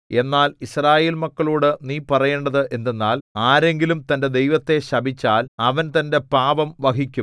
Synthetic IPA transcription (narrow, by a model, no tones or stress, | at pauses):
e̞nːaːlisraːjeːlmɐkːɐɭuːɽɨniːpɐrɐje̞ːɳɖɐðɨʔe̞nd̪enːaːlaːɾe̞ŋɡilumt̪ɐnde̞d̪e̞jʋɐt̪ːe̞ɕɐbʱit͡ɕːaːlɐʋɐnt̪ɐnde̞paːbɐmʋɐɦikʲːum